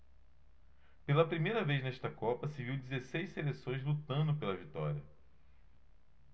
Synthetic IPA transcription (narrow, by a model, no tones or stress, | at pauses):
pelɐpɾimejɾɐvejznɛʃt̪ɐkɔpɐsɪviwd͡ʒizesejsselesõj̃zlut̪ɐ̃nd̪ʊpelɐvit̪ɔ̰ɾiɐ